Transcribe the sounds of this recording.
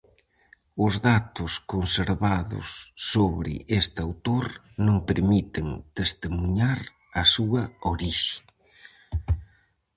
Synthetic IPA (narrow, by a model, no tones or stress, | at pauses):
ʊzðat̪ʊskonseɾβaðʊ̰sːoβɾɪ̰ʔest̪awt̪oɾ | nõŋpeɾmit̪eŋt̪est̪emuɲaɾ | ɐsuɐoɾiʃɪ̥